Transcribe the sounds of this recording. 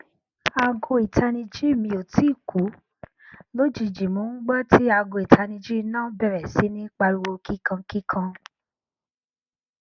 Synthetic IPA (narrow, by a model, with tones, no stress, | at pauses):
a˧ɡo˧i˨ta˧nĩ˧d͡ʒi˦e˦˨mĩ˧o˨ti˨˦˨ku˨˦ | lo˦d͡ʒi˨d͡ʒi˨mo˨˦ɡ͡bɔ˦ti˦a˧ɡo˧˨i˨tʰa˧nĩ˧d͡ʒi˦˧nãː˦˨˦bɛ˨ɾɛ˨si˨˦nĩ˦k͡pa˧ɾu˧wo˧ki˦kã˧ki˦kʰã˧